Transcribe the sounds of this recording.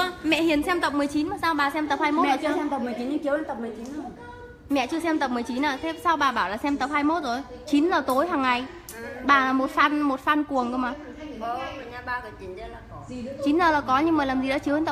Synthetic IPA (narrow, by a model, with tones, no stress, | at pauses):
ə˧mɛ̰˧˨hi˨˩ənsɛ˧mt̪ə˨˩p̚mɨ˨˩əjt͡ɕi˨˦nmaː˨˩saː˧wɓaː˨˩sɛ˧mt̪ə˨˩p̚haː˧jmo˦˥˧ɛ˧mt̪ə˨˩p̚mɨ˨˩əjt͡ɕi˨˦nɲɨ˧t͡ɕi˨˦wə˧˦t̪ə˨˩p̚mɨ˨˩ət͡ɕi˨˦nə˧ | mɛ̰˧˨t͡ɕɨ˧əsɛ˧mt̪ə˨˩p̚mɨ˨˩əjt͡ɕi˨˦naː˨˩sɛ˧˦saː˧wɓaː˨˩ɓaː˧˩wlaː˨˩sɛ˧mt̪ə˨˩p̚haː˧jmo˦˥t̚zo˨˩j | t͡ɕi˨˦nzəː˨˩t̪o˨˦jɦaː˨˩ŋːa˨˩j | ɓaː˨˩laː˨˩mo˨˩t̚faː˧nmo˨˩t̚faː˧nku˨˩əŋʔə˧wŋ͡maː˨˩˨ | ɲa˧˩ɓaː˧˩kə˨˩t͡ɕi˨˦nt͡ɕə˧la˨˩˨t͡ɕi˨˦nzəː˨˩laː˨˩kɔ˨˦ɲɨ˧ŋməː˨˩laː˨˩mzi˨˩ɗa̰ː˧˥t͡ɕi˨˦wnt̪ə˨˩